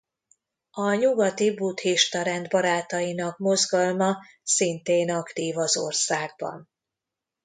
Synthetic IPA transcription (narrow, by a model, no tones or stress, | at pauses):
ɒɲuɡɒt̪ibut̪hiʃt̪ɒɾɛnd̪bɒɾaːt̪ɒjinɒkmo̞zɡɒlmɒ | sint̪eːnɒkt̪iːvɒzo̞̰rsaːɡ̚bɒ̰n